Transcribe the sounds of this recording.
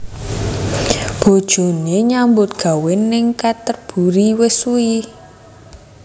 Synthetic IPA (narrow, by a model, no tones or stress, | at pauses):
b̥o̤d̥ʒ̥o̤neɲambʊt̪̚ɡ̥a̤wɪnɪŋkat̪ərb̥ṳɾiwɪsui